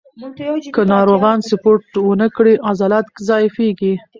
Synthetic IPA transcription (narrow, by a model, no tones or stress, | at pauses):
kənɑɾoɣɑnsʊpoɾʈwənəkɽiʔazɑlat̪kzɑjɪfeɡi